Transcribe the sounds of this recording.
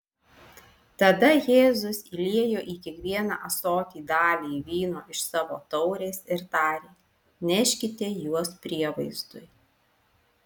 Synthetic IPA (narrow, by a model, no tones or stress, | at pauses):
t̪ɐd̪ɐjeːzʊsilʲiɛjoːʔiːkʲɛkʋʲiɛnɑ̰ːʔɐsoːt̪ʲiːd̪ɑːlʲiːʋʲiːnoːʔɪʃsɑːʋoːt̪ɒʊɾʲeːsɪɾt̪ɑːɾʲeː | nʲɛʃʲkʲɪt̪ʲejuɔspʲɾʲiɛʋɐɪzd̪ʊj